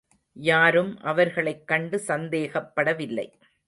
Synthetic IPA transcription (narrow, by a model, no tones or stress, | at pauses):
jaːɾɯmʔɐʋɐɾɣɐɭɐɪkːɐɳɖɯsɐnd̪eːɣɐpːɐɽɐʋɪlːɐ̰ɪ